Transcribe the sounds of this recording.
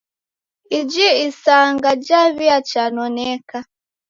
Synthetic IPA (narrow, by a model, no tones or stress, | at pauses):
id͡ʒiisaŋɡad͡ʒaβiat͡ʃanɔnɛka